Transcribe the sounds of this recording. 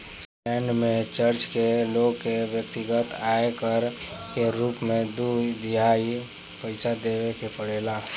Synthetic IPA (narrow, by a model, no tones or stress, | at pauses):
plɛːɳɖmẽt͡ʃəɾt͡ʃkeloːɡkeʋjəkt̪ɪɡət̪aːekəɾkeɾuːpmẽd̪uːd̪ɪɦaːi | pəɪsad̪eːʋekepəɽeːlaː